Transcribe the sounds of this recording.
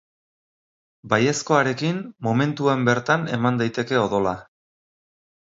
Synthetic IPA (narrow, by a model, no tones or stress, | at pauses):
baje̞sko̞aɾe̞kinmo̞me̞nt̪uambe̞ɾt̪ane̞mand̪ajt̪e̞ke̞o̞ðo̞la